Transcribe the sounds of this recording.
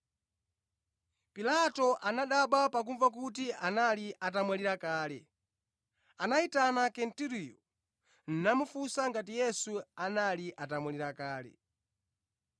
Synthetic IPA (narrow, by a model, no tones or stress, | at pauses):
pilatɔʔanaɗaɓapak̬uɱvak̬ut̬iʔanaliʔatamwaliɾakaːlɛ | anaitanakɛntiɾijɔ | n̩namufusaŋɡatijɛsuanaliʔatamwɛliɾakaːlɛ̰